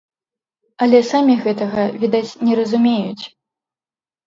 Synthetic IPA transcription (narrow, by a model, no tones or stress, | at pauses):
ɐlʲɛsamʲiɣɛt̪ɐɣɐvʲid̪at͡sʲnʲɛɾɐzumʲejut͡sʲ